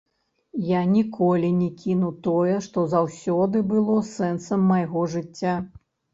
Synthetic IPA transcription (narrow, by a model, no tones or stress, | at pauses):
janʲikʰɔlʲinʲɛkʲinut̪ɔjɛʂt̪ɔzawsʲɔd̪ɨbɨlˠɔsɛnsɐmːɐjɣɔʐɨt͡sʲːa